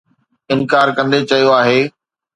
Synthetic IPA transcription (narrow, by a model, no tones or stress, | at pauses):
ɪnkaːɾkɐ̃nd̪et͡ɕɐijoaːɦeː